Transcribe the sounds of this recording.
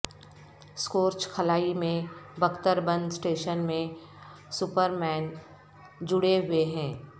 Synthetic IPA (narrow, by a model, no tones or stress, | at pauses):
skoːɾt͡ʃkʰɐlaːimẽbɐkt̪əɾbə̃nd̪sʈeːʃənmẽ | sʊpəɾmɛːn | d͡ʒʊɽeɦʊeɦɛ̃ː